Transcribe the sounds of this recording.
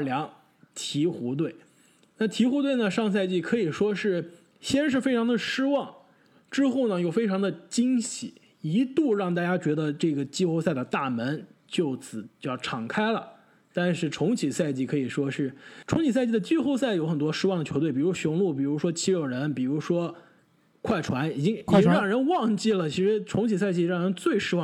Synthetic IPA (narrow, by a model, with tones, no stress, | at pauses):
ljɑ˧˥ŋ | t̪ʰi˧˥xu˧˥t̪̬we˥˩ɪ | na˥˩t̪ʰi˧˥xu˧˥t̪we˥˩ɪnə˩ʂɑ˥˧ŋs̬a˥˧ɪt͡ɕi˥˩kʰɤ˧˥i˨˩ʂwɔ˥ʂɻ̩˥˩ | ɕjɛ˥nʂ̬ɻ̩˥˩fe˥ɪʈ͡ʂʰɑ˧˥ŋd̪ə˨ʂɻ̩˥wɑ˥˩ŋ | ʈ͡ʂɻ̩˥xo˥˩ʊnə˩jo˨˩ʊfe˥ɪʈ͡ʂʰɑ˧˥ŋd̪ə˧t͡ɕi˥ŋɕi˨˩˦ | i˧˥t̪u˥˧ɻɑ˥˧ŋt̪a˥˩t͡ɕja˥t͡ɕɥɛ˧˥d̪ə˧ʈ͡ʂɤ˥˩ɡə˩t͡ɕi˥xo˥˧ʊsa˥˩ɪd̪ə˩t̪a˥˩mə˧˥nt͡ɕjo˥˩ʊt͡sʰɹ̩˨˩t͡ɕjɑ˥˩ʊʈ͡ʂʰɑ˨˩ŋkʰa˥ɪlə̰˨ | t̪a˥˧nʂɻ̩˥˩ʈ͡ʂʰʊ˧˥ŋt͡ɕʰi˨˩sa˥˧ɪt͡ɕi˥˩kʰɤ˧˥i˨˩ʂwɔ˥ʂɻ̩˥˩ʈ͡ʂʰʊ˧˥ŋt͡ɕʰi˨˩s̬a˥˧ɪt͡ɕi˥˩d̪ə˩t͡ɕi˥xo˥˧ʊsa˥˩ɪjo˧˥ʊxə˨˩nt̪wɔ˥ʂɻ̩˥wɑ˥˩ŋd̪ə˩t͡ɕʰo˧˥ʊt̪e˥˩ɪpi˨˩ɻu˧˥ɕʊ˧˥ŋlu˥˩p̬i˨˩ɻu˧˥ʂwɔ˥t͡ɕʰi˧˥ɻo˨˩ʊɻə˧˥npi˨˩ɻu˧˥ʂwɔ˥ | kʰwa˥˩ɪʈ͡ʂʰwa˧˥ni˨˩t͡ɕi˥ŋi˨i˥ŋɻɑ˥˩ŋɻə˧˥nwɑ˥˧ŋt͡ɕi˥˩lə˩t͡ɕʰi˧˥ʂɻ̩˧˥ʈ͡ʂʰʊ˧˥ŋt͡ɕʰi˨˩sa˥˧ɪt͡ɕi˥˧ɻɑ˥˩ŋɻə˧˥nt͡swe˥˩ɪʂɻ̩˥wɑ˥˩˧